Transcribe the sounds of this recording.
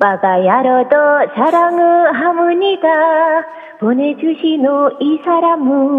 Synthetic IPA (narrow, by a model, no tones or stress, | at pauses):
pakajaɾɔt̪ɔsaɾaŋɯɦamɯnik̪a | b̥ʱonet͡ɕuɕinoisaɾamu